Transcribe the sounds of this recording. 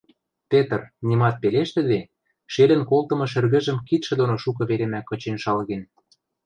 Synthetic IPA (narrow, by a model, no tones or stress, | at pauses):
p̪et̪ɤ̆rnimɑt̪̚peleʃt̪ɘ̆d̪e | ʃelə̆nkolt̪ɤ̆mɤ̆ʃɘ̆rɣə̆ʒə̆mkit̪ʃĕd̪onoʃuk̬ɤ̆βeɾemækːɤ̆t͡ɕenʃɑlɣen